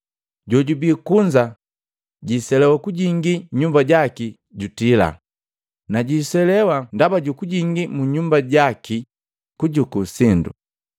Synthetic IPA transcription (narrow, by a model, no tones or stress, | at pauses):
ɟɔɟubiːkuɲd͡ʒa | ɟisɛlɛwakuɟiŋɡiɲumbaɟaki | ɟutila̰ | naɟisɛlɛwandabaɟukuɟiŋɡimuɲumbaɟaki | kuɟukusindṵ